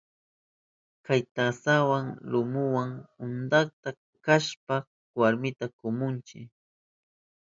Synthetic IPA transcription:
kajt̪asawaŋlʊmʊwaŋʊnd̪akt̪a | kaʃpa | waɾmɪt̪akʊmʊnt͡ʃɪ̰

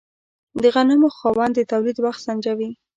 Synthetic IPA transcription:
d̪əɣanamoxɑwɑnd̪ət̪awlid̪waxt̪sand͡ʒawi

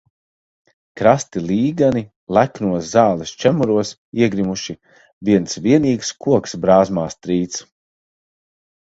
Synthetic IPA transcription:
kɾast̪ilˠiːɡani | lˠæknuɔszaːlˠist͡ʃæmuɾuɔs | iɛɡɾimuʃi | viɛnsviɛniːkskuɔksbɾaːzmaːst̪ɾiːt̪s

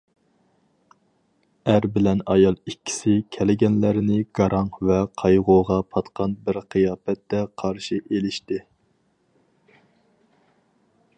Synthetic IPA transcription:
æɾbɪlɛnɑjɑlˠikʲʰːi̥sɪkʲʰɛlɪɡʲɛnlæɾɪnɪɡ̥ɑɾɑŋvɛqʰɑjʁoʁɑpʰɑt̪qʰɑnbɪɾqʰɨjɑːpɛt̪ːɛqʰɑɾʃiʔelɪʃt̪ɪ

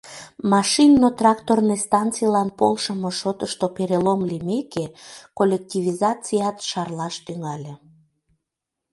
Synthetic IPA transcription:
mɑʃinːot̪rɑkt̪ornest̪ɑnt͡sijlɑnpolʃəmoʃot̪əʃt̪opeɾelomlimekekolʲek̚t̪ʲivizɑt͡sijɑt̪ʃɑrlɑʃt̪yŋɑlʲe

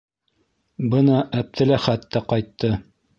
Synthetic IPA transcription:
bɤnɑʔæp̚t̪ʰɘ̆læχæt̪ːæqɑjt̪ːɤ

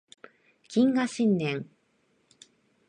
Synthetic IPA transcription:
kʲĩŋɡaɕĩnːẽŋ

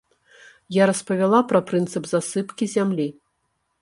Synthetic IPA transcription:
jaɾɐspɐvʲalˠapɾɐpɾɨnt̪sɨbzasɨpkʲizʲamlʲi

